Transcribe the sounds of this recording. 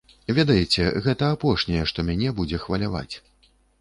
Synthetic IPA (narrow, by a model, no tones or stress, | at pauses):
vʲɛd̪ɐjɛt͡sʲɛ̰ɣɛt̪ɐapɔʂnʲɛjɛʂt̪ɔmʲanʲɛbud͡zʲɛxvɐlʲava̰t͡sʲ